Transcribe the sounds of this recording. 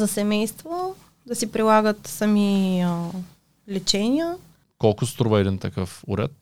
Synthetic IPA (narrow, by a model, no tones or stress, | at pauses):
zɐsɛmɛjst̪vo | d̪ɐsipɾilˠaɡət̪sɐmiə | lɛt͡ʃɛnʲiə | kɔlˠkʊst̪ɾuvəɛd̪int̪ɐkəfʊ̰ɾɛ̰t̪̚